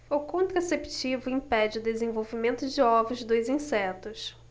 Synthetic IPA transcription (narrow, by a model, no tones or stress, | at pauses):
ʊkõnt̪ɾasept͡ʃivʊĩpɛd͡ʒɪʊd̪ezẽvowvimẽnt̪ʊd͡ʒɪɔvʊzd̪ojzĩsɛt̪ʊs